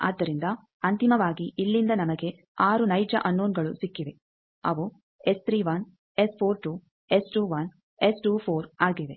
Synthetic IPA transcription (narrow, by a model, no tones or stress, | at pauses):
a̰ːd̪ːɐɾind̪ɐ | ɐnt̪imɐʋaːɡiʔilːind̪ɐnɐmɐɡe̞ | aːɾunɐjd͡ʒɐ̰ʔɐnːoːnɡɐɭusikːiʋe̞ | ɐ̰ʋu | est̪ʰɾiːʋɐn | espʰoːɾʈuː | esʈuːʋɐn | esʈuːpʰoːɾaːɡiʋe̞